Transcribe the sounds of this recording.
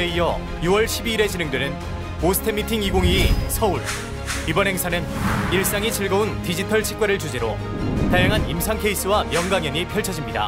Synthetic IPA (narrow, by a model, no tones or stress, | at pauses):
eijʌ | juwʌɭɕʰibiːɾe̞t͡ɕinɯŋdwenɯn | osʰɯ̥tʰemːitʰiŋiɡoŋiːsʰʌuɭ | ibʌnɦe̞ŋsʰanɯniɭs͈aŋit͡ɕiɭɡʌuntid͡ʑitʰʌɭt͡ɕʰi̥k͈aɾɯɭt͡ɕud͡ʑeɾo | taɭjaŋɦanimsʰaŋkʰe̞is͈ɯwamjʌŋɡaŋjʌɲipʰjʌɭt͡ɕʰʌd͡ʑimɲida̰